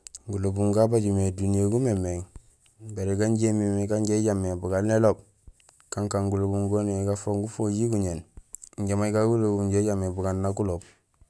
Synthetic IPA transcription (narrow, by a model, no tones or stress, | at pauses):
ɡulobuŋɡabaɟumedunijeɡumemeŋ | baɾeɡaɲɟemimiɡaɲɟeɟamːebuɡalnelob̚ | kaŋkaŋɡulobuŋɡoneɡafoŋɡufoɟiɡuɲenɲɟamaiɡaɡulobuɲɟeɟamːebuɡanːakulob̚